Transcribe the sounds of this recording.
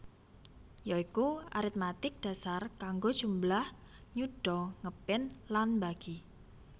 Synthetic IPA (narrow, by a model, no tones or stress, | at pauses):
jaikua̰ɾit̪̚mat̪ɪk̚d̥a̤sarkaŋɡod̥ʒ̥umblah | ɲuɖ̥ɔŋəpɪnlanbaɡ̥i